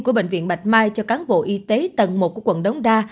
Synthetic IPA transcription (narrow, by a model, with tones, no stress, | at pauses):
ku˧˩əɓḛ˧˨ŋvḭ˧˨ənɓa˨˩jt̚maː˧jt͡ɕɔ˧kaː˨˦nɓo̰˧˨ʔi˧t̪e˨˦t̪ə˨˩nmo˨˩ku˧˩əkwə̰˧˨nɗə˨˦wŋ͡mɗaː˧